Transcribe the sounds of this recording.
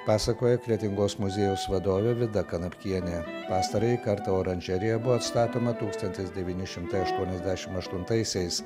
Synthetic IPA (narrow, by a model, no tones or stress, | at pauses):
pɑːsɐkoːjɛkɾʲiɛt̪ʲɪŋɡoːsmʊzʲeːjuːsʋɐd̪oːʋʲɛʋʲɪd̪ɐkɐnɐpʲkʲiɛnʲeːpɑːst̪ɐɾɐikɐɾt̪ɐoːɾɐnʲʒʲɛɾʲɪjɛbʊʋoɐt̪st̪ɑːt̪oːmɐt̪uːkst̪ɐnʲt̪ʲɪsd̪ʲɛʋʲiːnʲɪʃʲɪmt̪ɐɪɐʃt̪uɔnʲɛzʲd̪ʲæːʃʲɪmɐʃt̪ʊnt̪ɐɪsʲɛɪs